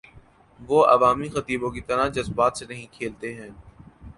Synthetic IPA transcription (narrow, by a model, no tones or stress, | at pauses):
ʋoːɐ̰ʋaːmixɐt̪iːbõkit̪ɐɾad͡ʒɐzbaːt̪senɐɦĩkʰeːlt̪eɦɛ̃ː